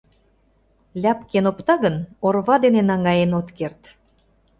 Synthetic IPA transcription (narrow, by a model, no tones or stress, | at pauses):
lʲæpkenopt̪ɑɣənorβɑd̪enenɑŋɑjenot̪kert̪